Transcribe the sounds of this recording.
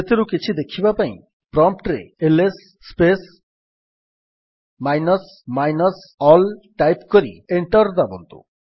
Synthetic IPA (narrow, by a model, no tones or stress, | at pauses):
et̪ʰiɾukit͡ʃʰid̪ekʰibapaḭ̃ | pɾɔmp̚ʈɾḛelesː | pes | majnɔs | majnɔs | ɔlʈajpkɔɾḭeɳʈɔɾd̪abɔnt̪ṵ